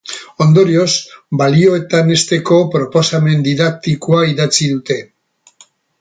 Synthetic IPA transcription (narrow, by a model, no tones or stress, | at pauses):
o̞nd̪o̞ɾio̞sbalio̞e̞t̪ane̞st̪e̞ko̞pɾo̞po̞same̞nd̪iðak̚t̪ikuaiðat͡siðut̪e̞